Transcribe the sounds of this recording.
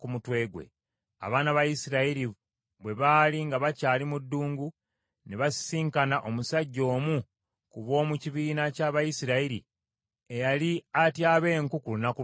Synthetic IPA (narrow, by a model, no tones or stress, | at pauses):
kumutwe̞ːɡwe̞̰ | a̰βaːnaβajisiɾaiɾi | βwe̞βaːliŋɡaβacaːlimudːuːŋɡu | neβasi̥siːŋkanaʔo̞musaɟːo̞ːmu | kuβo̞ːmuciβiːnacaβajisiɾaiɾḭ | ejaliatjaːβe̞ːŋkukulunaku